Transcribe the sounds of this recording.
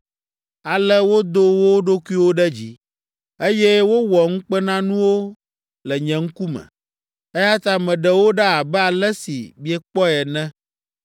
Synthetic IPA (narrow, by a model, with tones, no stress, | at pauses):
a˨lɛ˦wo˦d̪o˦wo˦ɖo˦ku˦i˦wo˦ɖɛ˦d͡ʑi˦ | e˦jɛ˦wo˦wɔ˨ŋ̩̃˦k͡pɛ˦nã˦nũ˦wo˦ | lɛ˨ɲɛ̃˨ŋ̩˦ku˦mɛ̰̃˨ | ɛ˦ja˦t̪a˦mɛ̃˨ɖɛ˨wo˦ɖɛ˦a˨bɛ˦a˨lɛ˦sḭ˨bi˦ɛ˦k͡pɔ˦ɛ˨nɛ̃˦